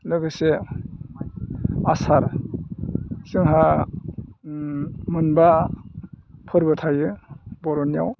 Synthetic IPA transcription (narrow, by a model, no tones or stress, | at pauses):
lɯɡɯse | asaɾ | sɯŋɦa | mɯnba | pʰɯɾbɯtʰajɯbɔɾɔnija̰w